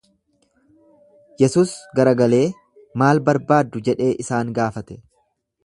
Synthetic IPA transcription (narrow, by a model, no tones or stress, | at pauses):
jɛsuːsɡɐɾɐɡɐle̞ː | maːlbɐɾbaːd̪ːʊd͡ʒɛᶑe̞ːʔɪsaːŋɡaːfɐt̪ɛ̥